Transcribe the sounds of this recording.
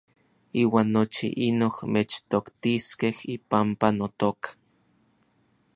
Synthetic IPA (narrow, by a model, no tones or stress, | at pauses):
iːwaːnːot͡ʃḭʔinohmet͡ʃt̪okt̪iskehipampanot̪okḁ